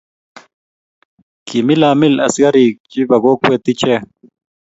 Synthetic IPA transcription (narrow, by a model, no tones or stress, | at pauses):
kimilaːmilɐsɡɐɾiːk̚d͡ʑibɐɡoːkwet̪it͡ɕe